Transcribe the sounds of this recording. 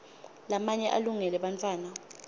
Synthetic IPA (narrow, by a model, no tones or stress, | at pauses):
lamaɲɛʔaluŋɛlɛɓant͡fʰʼwaːna